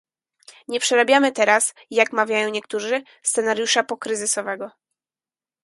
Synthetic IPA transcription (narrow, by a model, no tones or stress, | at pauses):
ɲɛpʂɛɾabʲjamɘt̪ɛɾas | jakmavʲjajɔ̃w̃ɲɛkt̪uʐɘ | st̪sɛnaɾjuʂapɔkɾɘzɘsɔvɛɡɔ